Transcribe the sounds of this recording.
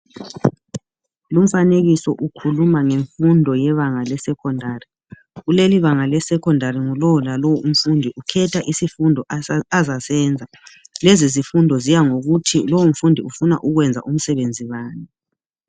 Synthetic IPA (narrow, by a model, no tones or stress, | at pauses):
lum̩faneɣisɔʔukʰulumaŋeɱfundʱɔjɛβaŋalɛsɛkʰɔndʱari | ɣuleliβaŋalɛsɛkʰɔndʱariŋulɔwlalɔwum̩fundʱiʔukʰɛtʰaʔisifundʱɔazasɛnd͡zʱa | lezizifundʱɔzijaŋoɣutʰilowum̩fundʱiufuna̰ʔuɣwɛnd͡zʱa̰ʔum̩sɛβend͡zʱiβaːnɛ